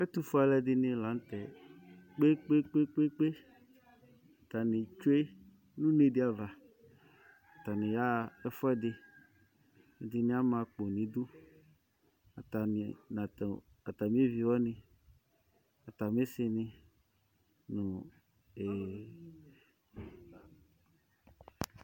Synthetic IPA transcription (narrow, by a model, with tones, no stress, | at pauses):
ɛ˦t̪u˨fɔ˦a˨lɛ˨d̪ɪ˨nɪ̃˨lã˨n˦t̪ɛ˨k͡pe˦k͡pe˦k͡pe˦k͡pe˦k͡pe˦ | a˨t̪a˨nɪ̃˨t͡ʃo˦e˦ | nũ˦ne˨dɪ˦a˨va˨ | a˨t̪a˨nɪ̃˨ja˦ɛ˦fɔ˦ɛ˦d̪ɪ˨ | d̪ɪ˨nɪ̃˦a˦mã˨k͡po˨nĩ˨d̪u˦ | a˨ta˨n̰˨na˨ | a˨t̪a˨m˦e˦vi˨wɔ˦nɪ̃˨ | a˨t̪a˨m˦e˦sɪ˦nɪ̃˨ | nʊ̃˨ | e˨